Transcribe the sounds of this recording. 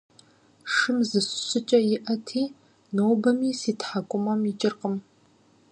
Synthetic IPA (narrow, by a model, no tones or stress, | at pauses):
ʂɨmzɨsʷɕʊt͡ʃʼɐjɪʔɐtʰiː | nowbɐmiːsiːtħakʷʼʊmɐmit͡ʃʼɪrqəm